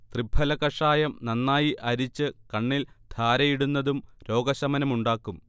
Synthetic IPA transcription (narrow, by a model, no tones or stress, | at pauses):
t̪ribʱɐlɐkɐʂaːjɐmnɐnːaːjiʔɐɾit͡ɕːɨkɐɳːild̪̥ʱaːɾɐjiɽunːɐðumɾo̞ːɡɐɕɐmɐnɐmuɳɖaːkːum